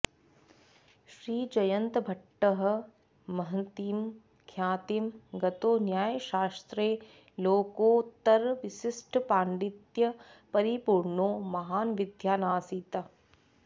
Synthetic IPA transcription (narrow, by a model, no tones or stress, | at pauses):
ʃɾiːd͡ʒɐjɐnt̪bʱɐʈːəɦɐ̆ | mɐɦt̪iːm | kʰjaːt̪imɡɐt̪oːnjaːjʃaːst̪ɾeː | loːkoːt̪ɐɾʋɪʃɪsʈʰpaːɳɖit̪jɐpɐɾipuːɾɳoːmɐɦaːnʋɪd̪ʱjaːnaːsiːt̪ɐ